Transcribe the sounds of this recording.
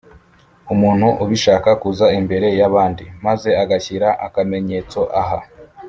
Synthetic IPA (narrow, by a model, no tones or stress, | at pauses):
umuːn̥huʔuβiʃaːkakuzaimbe̞ɾe̞jaβaːndimaze̞aɡaçiɾaʔakame̞ɲet͡so̞ʔaɦa